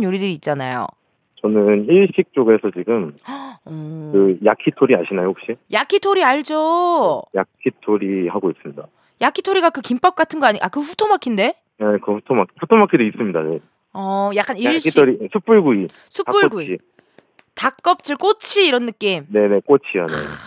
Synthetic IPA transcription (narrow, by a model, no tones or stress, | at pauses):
njoɾidɯɾiːt̚t͡ɕ͈ana̰jo̰ | t͡ɕʌnɯniɭɕ͈ʰik̚t͡ɕ͈oɡesʰʌt͡ɕiɡɯmʌkɯjakʰitʰoɾia̰ɕʰinajohok̚ɕ͈ijakʰitʰoɾiaɭd͡ʑojakʰitʰoɾihaɡois͈ɯmɲida̰ | jakʰitʰoɾiɡakɯkimp͈ʌp̚k͈atʰɯnɡʌaɲikakɯɸutʰomakʰinde̞ | ekɯɸutʰomakʰiɸutʰomakʰidois͈ɯmɲida̰ne | ʌjak͈anijaɭɕioɾisʰup͈uɭɡui | sʰutap͈uɡui | tak͈ʌp̚t͡ɕ͈ɯɭk͈ot͡ɕʰiːɾʌnːɯk͈imne̞ne̞k͈ot͡ɕʰijanḛ